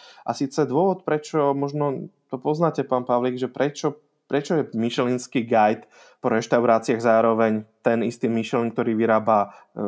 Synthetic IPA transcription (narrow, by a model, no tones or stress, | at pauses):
ʔa̰siːt͡sɛd̪ʊɔʋɔt̪̚pɾɛt͡ʃɔmɔʒnɔt̪ɔpɔznaːcɛpaːnpaʋliːɡʒɛpɾɛt͡ʃɔ | pɾɛt͡ʃɔjɛmiʃlinskiːɡajt̪ | pɔɾɛʃt̪aʊɾaːt͡siaɣzaːɾɔʋɛɲt̪ɛnist̪iːmiʃlink̚t̪ɔɾiːʋiɾaːba